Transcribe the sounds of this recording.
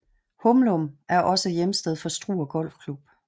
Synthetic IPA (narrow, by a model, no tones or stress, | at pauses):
hɔmlomʔæɐʔɒ̽səjemsd̥eðˠfɒ̽sd̥ʁṵːɒɡ̥ɒ̽l̰fkʰlub̥